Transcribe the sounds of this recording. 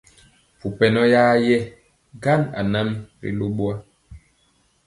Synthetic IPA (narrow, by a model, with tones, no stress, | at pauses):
fu˨pɛ˨nɔ˦jaː˦jɛ˦ | ɡa˦na̰˨na˦mɾḭ˨lo˦ɓwa˦